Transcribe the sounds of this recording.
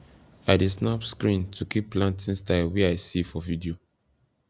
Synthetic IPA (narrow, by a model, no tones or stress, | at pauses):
adesnapskɹĩntʰukipːlãntʰĩnstaɪlwɛaɪsifɔvidio